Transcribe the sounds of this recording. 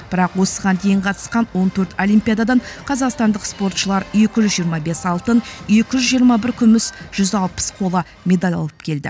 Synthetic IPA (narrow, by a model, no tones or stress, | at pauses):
b̥ɪɾɑqwo̞səʁɑnd̪e̞jɴqʰɑt̪ə̥sqɑnwo̞nt̪ʰɵɾt̪olʲˠijmpʲijad̪ad̪ɑɴqʰɑzɑqst̪ɑnd̪əqspo̞ɾt̪ʃəlˠɑɾje̞kʲɪʒʏzʒijəɾmɑbe̞sɑlˠt̪ənje̞kʲɪʒʏzʒijəɾmɑbɪɾkʲʰʏmɪsʒ̥ʏzɑlˠpə̥sqʰo̞lˠɑ | mʲe̞d̪alʲɑ̰lˠəp̚kʲʰe̞ld̪ɪ̰